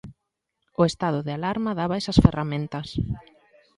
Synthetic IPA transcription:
ʊest̪aðʊðealaɾmaðaβɐɛsɐsferʔamẽnt̪ɐs

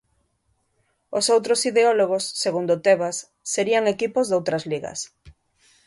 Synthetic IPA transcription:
osowt̪ɾosiðeɔloɣ̞osːeɣund̪ʊt̪eβasː | eɾiaŋekipozðowt̪ɾɐzliɣɐ̰s

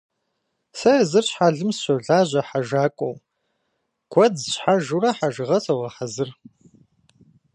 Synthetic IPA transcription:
sɐɐzɨrɕħaɮɨmsɕɐɮaːʑʷɐħaʒaːkʷʼɔw | ɡ̥ʷɐdɕħaʒurɐħaʒɨʁɐsɐwʁɐħazɨr

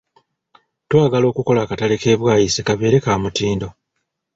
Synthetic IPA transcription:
twaːɡalo̞ːkuko̞laːkatalike̞ːβwaːjisekaβe̞ːɾe̞kaːmutiːndo̞

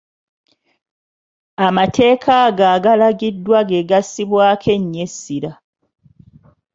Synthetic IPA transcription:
amatʰe̞ːkʰaɡaɡalaɡidːwaɡe̞ɡasiβwaːkʰe̞ɲːe̞sːiɾa

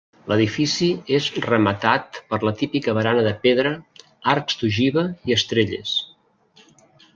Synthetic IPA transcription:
ləðifisiezrəmət̪at̪̚pəɾlət̪ipikəβəɾanəðəpeðɾə | aɾkst̪uʒiβəiəst̪ɾeʎḛs

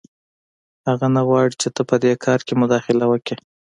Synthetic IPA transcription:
haɣanaɣwɑɽit͡ʃet̪əpəd̪ekʰɑɾkemʊd̪ɑxɪlawəki

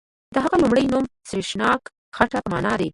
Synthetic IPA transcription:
d̪̥əɦaɣalumɽəjnumsɾiʃnɑk | xaʈapəmɑ̰ːnɑd̪e

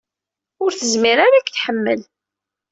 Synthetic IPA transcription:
ʊɾθəzmiɾaɾakθħəmːəl

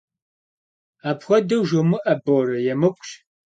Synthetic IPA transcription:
aːpxʷɔdɐwʒomɨʔɐboːrɐjɛmɨkʷʼɕ

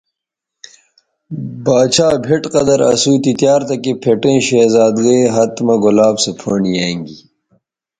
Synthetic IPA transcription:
baːt͡ɕʰaːbʱeʈqɐd̪ɐɾɐ̰suːt̪it̪jaːɾt̪ɐkepʰeʈẽːɕeːzaːd̪ɡeːɦɐt̪mɐɡolaːbsepʰoːɳijeːŋɡi

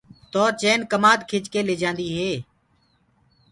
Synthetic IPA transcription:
t̪oːt͡ʃeːnkəmaːd̪kʰɪt͡ʃkeːleːd͡ʒãːnd̪iːɦeː

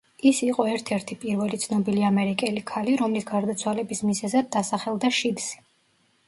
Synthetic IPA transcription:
isiqʼɔɛɾt̪ʰɛɾt̪ʰipʼiɾvɛlit̪sʰnɔbiliamɛɾikʼɛlikʰaliɾɔmlisɡaɾd̪at̪sʰwalɛbismizɛzad̪ːasaχɛlˠd̪aʃid̪z̥i̥

